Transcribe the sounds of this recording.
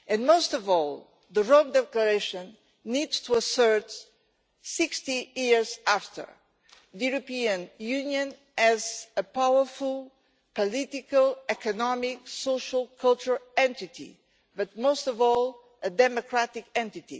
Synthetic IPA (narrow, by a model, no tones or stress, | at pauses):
ɨ̃nmoʊstɔvɔlˠ | ðəɹõmd̪ɛkləɹeʃə̃nː | idz̥tʰuəsɜ˞t | sɪkstijiɹzaft̪ʰə̰˞ | ðɨjuɾɨpiɨ̃njʉ̃njɨ̃n | ɨzəpawə˞fulˠ | pɔlitikəlˠɛkɨnɔmiksoʃəlˠkʰʌlˠt͡ʃəɹɛ̃nt̪itḭ | bʌt̪̚mostɔvɔlˠ | ɨd̪ɛmokʰɹat̪ikɛ̃nt̪it̪ḭ